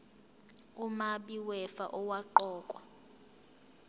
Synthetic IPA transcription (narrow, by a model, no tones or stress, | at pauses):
umaɓiwɛfa̰ʔɔwaǃɔːkʼwa